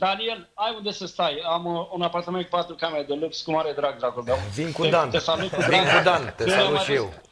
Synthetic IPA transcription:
d̪alijelajund̪esəst̪ajamunapart̪amenkupat̪ɾukameɾad̪əlukskumaɾed̪ɾaɡ̚d̪ɾaɡold̪awviŋkued̪anesalut̪kud̪ɾiaŋkud̪ant̪esealuʃjew

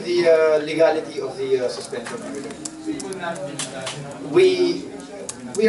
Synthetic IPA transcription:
ðiəliɡalɪtiɔvðisəspɛ̃nʃə̃n | wi | wi

